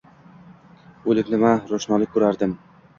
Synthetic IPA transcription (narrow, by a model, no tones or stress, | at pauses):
ɵlɪkʲnɪmaɾoʃnɒlˠɪkʲʰːʊɾaɾd̪ɪm